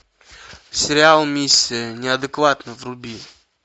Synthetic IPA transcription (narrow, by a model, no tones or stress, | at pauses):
sʲɪɾʲɪalˠmʲisʲːiənʲɪad̪ɨkvat̪nɨvɾʊbʲi